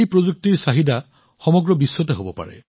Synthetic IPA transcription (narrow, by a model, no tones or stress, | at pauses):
jpɹozuk̚tiɹsaɦida | xɔmɔɡɹɔbisːɔtɛɦobɔpa̰ɹɛ̰